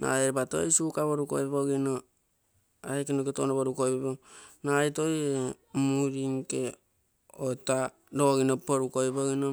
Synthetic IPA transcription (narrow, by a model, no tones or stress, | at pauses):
na̰eɾbato̰jsukaβoɾuko̰iboɡino | aekinoketonoβoɾukojpibonajtoje | muɾiŋke | ota | ɾoɡinopoɾukojboɡino